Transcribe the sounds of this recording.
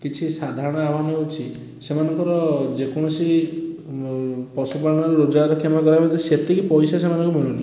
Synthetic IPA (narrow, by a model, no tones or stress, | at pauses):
kit͡ʃʰisad̪ʱaɾɔɽ̃ɔabaneut͡ʃʰi | semanɔŋkɔɾɔd͡ʒekɔɽ̃ɔsi | pɔsupalɔnɔɾeɾod͡ʒaɾɔkʰemakɔɾajpɔnt̪iset̪ikipɔjsasemanɔŋkumɔɽ̃ini